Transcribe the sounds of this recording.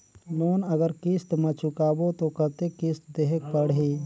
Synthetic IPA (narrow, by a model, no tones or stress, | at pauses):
noːnəɡəɾkɪst̪mə̃t͡ʃʰʊkaːbot̪okət̪ekɪst̪̚d̪eɦek̚pəɽɦi